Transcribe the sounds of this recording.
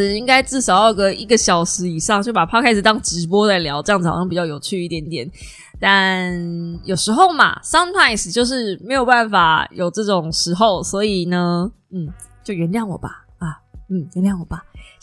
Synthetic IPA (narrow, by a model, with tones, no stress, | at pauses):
i˦˥ŋka˥ɪt͡sɹ̩˥˩ʂɑ˨˩ʊjɑ˥˩ʊɡə˦i˥˩ɡə˨˧ɕjɑ˨˩ʊʂɻ̩˧˥i˨˩ʂɑ˥˧ŋt͡ɕjo˥˩ʊpa˨˩pʰa˥kʰa˥ɪʂ̩˨˩t̪ɑ˥˩ŋʈ͡ʂɻ̩˧˥p̬wɔ˥t͡sa˥˩ɪljɑ˧˦ʊʈ͡ʂɤ˥˧jŋt͡s̩ʰ˨˩˨ɕɑ˥pi˨t͡ɕjɑ˥˩ʊjo˨˩ʊt͡ɕʰy˥˧i˥˩t̪jɛ˧˥nt̪jɛ˨˩˦n | t̪a˥˧˨nnjo˨˩ʊʂɻ̩˧˥xo˥˩ʊma̰˨˩sɑ˥nt̪ʰa˥˩ɪst͡ɕjo˥˧ʊʂ̬ɻ̩˥˩me˧˥ɪjo˨˩ʊpa˥˩nfa˨˩jo˨˩ʊʈ͡ʂɤ˥˩ʈ͡ʂʊ˨˩ŋʂɻ̩˧˥xo˥˩ʊswɔ˧˥i˨˩nə˩ | n̩˥˩ | t͡ɕjo˥˧ʊɥɛ˧˦nljɑ˥˩ŋwɔ̰˨˩ba˨˩ | a˨˩n̩˥˩jɛ˧˦nljɑ˥˩ŋwɔ˨˩ba˨˩